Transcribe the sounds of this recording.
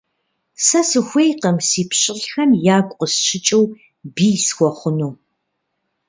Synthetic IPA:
sɐsɨxʷejqɐmsiːpʰɕʼɪɬxɐmjaːkʷʼqʼəsʃɪt͡ʃʼɪw | biːsxʷɔχʷʊnuw

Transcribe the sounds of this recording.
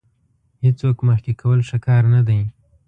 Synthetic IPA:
het͡swokməxkekʰawəlʃakɑɾnad̪aj

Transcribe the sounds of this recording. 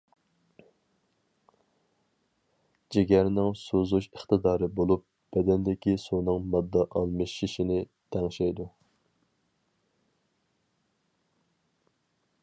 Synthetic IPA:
d͡ʒeɡʲɛɾnɪŋsuzuʃəχt̪ɨd̪ɑːɾɨbolˠup̚ | b̥ɛd̪ɛnd̪ɪkʲisunɨŋmɑd̪ːɑʔɑlˠmɨʃiʃinɪt̪ʰɛŋʃɛjd̪u

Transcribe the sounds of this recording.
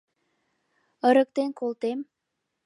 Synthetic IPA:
əɾə̆k̚t̪enkolt̪em

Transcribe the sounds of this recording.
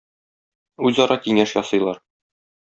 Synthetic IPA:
ʉzɒɾɑkiŋæʃjɒsɤ̆jlˠɑɾ

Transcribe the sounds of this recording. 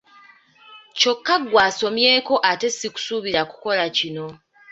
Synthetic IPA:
co̞kːaɡːwaːso̞mje̞ːko̞ʔate̞siku̥suβiɾaku̥ko̞lacino̞

